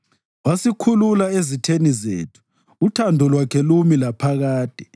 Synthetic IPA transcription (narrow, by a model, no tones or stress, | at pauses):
wasikʰululaezitʰenizḛːtʰu̥ː | tʰandʱɔlwakʰɛlumilapʰaɣaːd̥ʱɛ̥